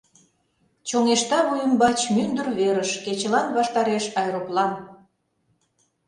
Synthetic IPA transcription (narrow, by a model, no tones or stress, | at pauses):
t͡ɕoŋeʃt̪ɑβujə̆mbɑt͡ɕmynd̪ə̆rβeɾəʃket͡ɕə̆lɑnβɑʃt̪ɑɾeʃɑjɾoplɑn